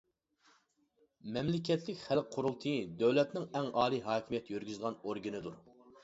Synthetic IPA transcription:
mɛmlɪkʲʰɛt̪lɪkʲχælqʰːʊɾulˠt̪ʰɨd̪øwlɛt̪nɪŋɛŋɑːlˠiɦɑːkʲʰimijɛt̪jøɾɡʲyzʁɑnoɾɡʲinɨd̪uɾ

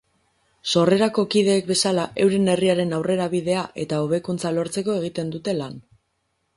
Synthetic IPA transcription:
so̞re̞ɾako̞kið̞e̞ːk̚be̞salaʔe̞wɾe̞ne̞riaɾe̞nawre̞ɾaβið̞e̞aʔe̞t̪ao̞β̞e̞kunt͡salo̞ɾt͡se̞ko̞e̞ɣit̪e̞nd̪ut̪e̞lan

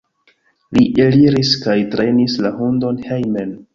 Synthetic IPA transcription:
liʔeliɾiskajtɾenislahundo̞nhejmen

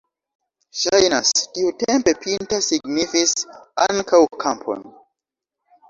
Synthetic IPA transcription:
ʃajnasdiutempepʰintasiɡnifisaŋkʰawkʰampʰo̰n

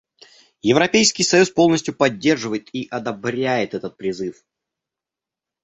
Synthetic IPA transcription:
jɪvɾɐpʲejskʲɪjsɐjuspolˠnəsʲtʲjʊpɐdʲːe̞rʐɨvəjɪt̪iʔɐd̪ɐbɾʲæjɪt̪ɛt̪ət̪̚pɾʲɪzɨf

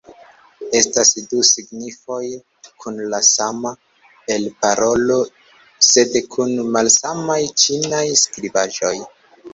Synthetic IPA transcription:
e̞stasdusiɡnifo̞j | kʰunlasama | e̞lpaɾo̞lo̞ | se̞dkʰunmalsamajt͡ʃinajskɾibaʒo̞j

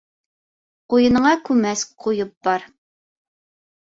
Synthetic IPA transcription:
qujɤnɤɴɑkʲʰʉmɛsqʰujɤp̚b̥ɑɾ

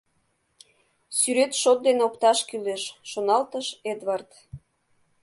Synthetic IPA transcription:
syɾet̪ʃot̪̚d̪enokt̪ɑʃkyleʃːonɑlt̪əʃed̪βɑrt̪

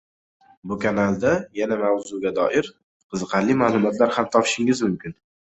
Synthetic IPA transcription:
bʊkʰanalˠd̪ajanamawzʊɡʲad̪ɒʔɪɾ | qʰɨzɨqʰɑɾlɪmaːlˠʊmɒt̪laɾhamt̪ʰɒpʰɪ̥ʃɪŋɪzmʊmkʲɪn

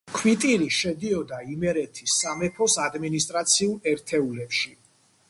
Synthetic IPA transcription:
kʰwit̪ʼiɾiʃɛd̪iɔd̪aimɛɾɛt̪ʰisːamɛpʰɔsad̪minist̪ʼɾat̪sʰiulɛɾt̪ʰɛulɛpʃi

